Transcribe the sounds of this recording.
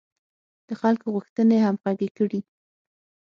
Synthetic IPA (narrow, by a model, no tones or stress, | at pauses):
d̪̥əxalkoɣuxt̪ənehamɣaɡekəɽi